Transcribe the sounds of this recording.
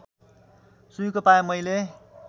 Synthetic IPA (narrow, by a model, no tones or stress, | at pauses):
suj̃kopajomʌjle